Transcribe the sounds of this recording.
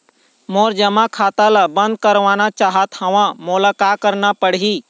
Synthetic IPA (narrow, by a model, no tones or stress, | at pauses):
moːɾd͡ʒəmãkʰaːt̪alabə̃nd̪̚kəɾʋaːnat͡ʃaːɦət̪həʋãmoːlakaːkəɾnapəɽɦiː